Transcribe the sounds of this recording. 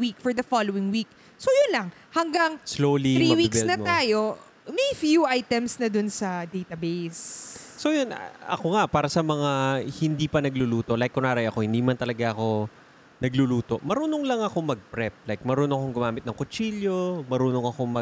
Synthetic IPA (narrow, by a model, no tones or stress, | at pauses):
wikfɔɹd̪ɐfalowɪŋwik̚ | sojʊnlɐŋ | hɐŋɡɐŋslowliɾmɐwibkɛsnɐmt̪aːjo̞ | mɐjfjuʔajt̪ɛmsnɐd̪onsɐd̪ejt̪ɐbejssojonʔɐ̰koŋapaːɾɐsɐmɐŋahɪnd̪iːpɐnɐɡluluːt̪o̞ʔlajkːʊnaːɾɐjɐko̞hɪ̃nd̪iːmɐnt̪ɐlɐɡaʔɐko̞ | nɐɡluluːt̪o̞ʔmɐɾuːnoŋlɐŋɐko̞mɐɡ̚pɾɛp̚lajk̚mɐɾuːnoɐkoŋɡʊmaːmɪt̪nɐŋkot͡ʃiljo̞mɐɾuːnoŋɐko̞mɐ